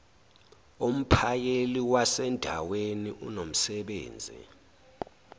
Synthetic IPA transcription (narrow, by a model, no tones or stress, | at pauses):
um̩pʰajeliwasɛndʱa̰weniʔṵnom̩sɛɓḛːnd͡zʱḭ